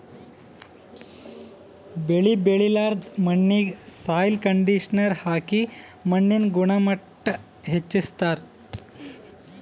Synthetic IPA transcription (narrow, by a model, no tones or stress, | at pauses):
beɭibeɭilaɾd̪məɳːiɡsajlkəɳɖiɕnəɾhaki | məɳːinɡuɳaməʈː | ɦet͡ɕːist̪aɾ